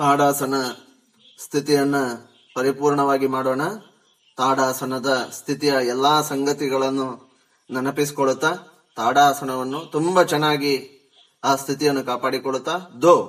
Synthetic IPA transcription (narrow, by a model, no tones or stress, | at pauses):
t̪aːɽaːsɐnɐ | st̪ʰit̪ijɐnːu | pɐɾipuːɾɳɐʋaːɡimaːɽoːɳɐ | t̪aːɽaːsɐnɐd̪ɐst̪ʰit̪ijɐɛlːaːsɐŋɡɐt̪iɡɐɭɐnːu | nɐnɐpis̬i̥koɭut̪ːa | t̪aːɽaːsɐnɐʋɐnːut̪umbɐt͡ʃɛnːaːɡi | aːst̪ʰit̪ijɐnːukaːpaːɽikoɭut̪ːaːd̪oː